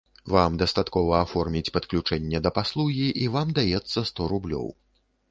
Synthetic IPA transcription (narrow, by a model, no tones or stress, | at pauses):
vamd̪ɐst̪at̪kɔvɐːfɔrmʲit͡sʲpɐt̪klʲut͡ʂɛnʲːɛd̪ɐpaslˠuɣʲiʔivamd̪ajɛt̪sːɐst̪ɔɾublʲɔ̰w